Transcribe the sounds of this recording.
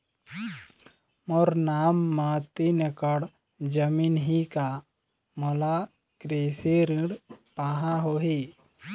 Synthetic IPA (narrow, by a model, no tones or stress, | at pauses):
moɾnaːmːat̪inəkəɽ | d͡ʒəmiːnɦika | mola | kɾeseɾĩɽpaːɦãɦoɦi